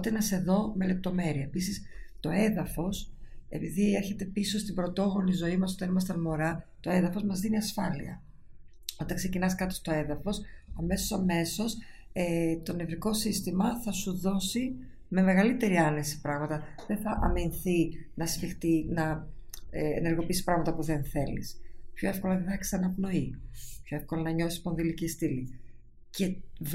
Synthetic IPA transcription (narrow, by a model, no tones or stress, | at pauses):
ot̪enɐse̞ðo̞me̞le̞p̚t̪o̞me̞ɾiɐepisist̪o̞e̞ðɐfo̞se̞̰piðieɾçe̞t̪e̞piso̞st̪ibɾo̞t̪o̞ɣo̞nizo̞imɐs̬o̞t̪ɐnimɐst̪ɐnmo̞ɾɐt̪o̞e̞ðɐfo̞zmɐzðiniɐsfɐlḭɐ̰ | ot̪ɐkse̞cinɐskɐt̪ost̪o̞e̞ðɐfo̞sɐme̞so̞sɐme̞so̞set̪o̞nevɾiko̞sist̪imɐθɐsuðo̞si | me̞me̞ɣɐlit̪e̞ɾiɐnesi̥pɾɐɣmɐt̪ɐðeθɐʔɐminθinɐsfixt̪inɐ | eḛneɾɣo̞pisi̥pɾɐɣmɐt̪ɐpuðe̞nθe̞lḭspçoefko̞lɐðiðɐksi̥ɐnɐpno̞ipçoefko̞lɐnɐɲo̞θi̥spo̞nðilicist̪ili | ce̞